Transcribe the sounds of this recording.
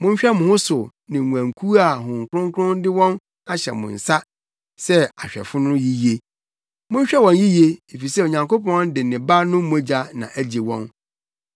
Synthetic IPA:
mʊ̃˦n˦ɕᶣɛ˦mʊ̃˨hʊ˦sʊ˨ | nɪ̃˨æ̃˨ŋ˨kʰu˦a˨ɦʊ̃˨ŋ˨kʰʊ˦ɾʊ̃˦ŋ˦kʰʊ̃˦n˦dɪ˦wɔ̃˦n | a˦ɕɛ̰˨mʊ̰̃˨n̩˨sa˦ | sɛ˦a˨ɕᶣɛ̰˨fʊ˦nʊ̃˦ji˦je˦ | mʊ̃˦ɕᶣɛ˦wɔ̃˨nji˦je˦e˨fi˨sɛ˦o˨ɲã˨ŋkʰo˦pɔ̃˨˦n˦dɪ˨nɪ̃˨ba˦nʊ̃˦m̩˦m̃˨˦˨d͡ʑa˨˦nã̰˨ʔæ˦d͡ʑe˨wɔ̰̃˦n

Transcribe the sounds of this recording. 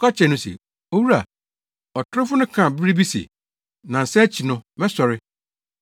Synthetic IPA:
kʰa˦t͡ɕʰɛ˨nʊ̃˦sḛ˨ | o˦wu˦ɾa˨ | ɔ˨tʰʊ˦ɾfʊ˦nʊ̃˦kʰã˨bɪ˦ɾi˦bi˦sḛ˨ | nã˨n̩˨sɛ˦t͡ɕʰi˨nʊ̃˦mɛ̃˦sɔ˨ɾɪ˦

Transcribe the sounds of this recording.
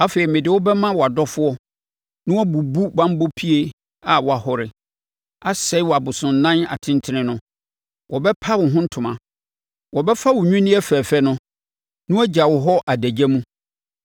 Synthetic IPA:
a˦feː˨i˨mɪ̃˨dɪ˨wʊ˦bɛ˦mã˦wɔ˨a˨dɔ˦fʊ˦ɔ˦ | nʊ̃˦wɔ˦bu˨bu˦bã˦m˦bo˦pʰi˦e˨ | a˨wɔ˨a˨hɔ˨ɾɪ˨ | a˦sɛ˦wɔ˨a˨bʊ˨sʊ̃˨n˨nã˦na̰˨tʰɪ̃˦n˦tʰɪ˦nɪ̃˦nʊ̃˦ | wʔɔ˨bɛ˦pʰa˦wʊ̃˨ɦʊ̃˦n̩˦tʰʊ̃˨mã˨ | wɔ˨bɛ˦fa˦wʊ˨ɲᶣũ˦nɪ̃˦ɛ˦fæː˨fɛ˦nʊ̃˦ | nʊ̃˦æ˦d͡ʑa˨wɔ˨ɦɔ˦ʔa˨dæ˨d͡ʑɛ˦mũ˦

